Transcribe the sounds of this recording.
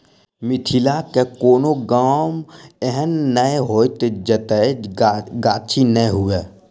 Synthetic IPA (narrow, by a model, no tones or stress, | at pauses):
mɪt̪ʰilakekoːnoɡaːmeɦənːəeɦoːjt̪d͡ʒət̪əeɡaːt͡ʃʰinəɦue